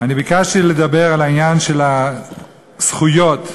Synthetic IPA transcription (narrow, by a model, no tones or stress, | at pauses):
anibikaʃtiled̪abe̞ʁalainjanʃe̞la | sχujo̞t̪